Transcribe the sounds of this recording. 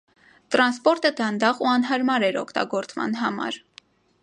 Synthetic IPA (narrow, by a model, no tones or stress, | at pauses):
t̪ɾɑnspɔɾt̪əd̪ɑnd̪ɑʁuɑnɦɑɾmɑɾɛɾɔ̰kʰt̪ɑ̰ɡɔɾt͡smɑ̰nɦɑmɑ̰ɾ